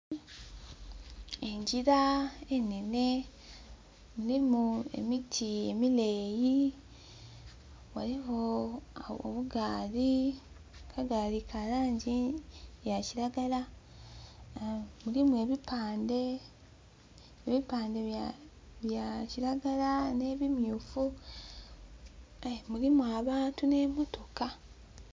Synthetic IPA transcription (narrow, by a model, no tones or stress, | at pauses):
eɲɟiɾaenene̞ | mulimue̞̰mitʰie̞mileːji | waɾiho̞ao̰βuɡaːɾi | kʰaɡaːɾikʰaɾaːɲɟijaciɾaɡala | mulimue̞ːβipaːnde̞ | βipaːnde̞ | βjaciɾaɡalane̞βimjuːfu | mulimuaβaːntune̞mo̞to̞ka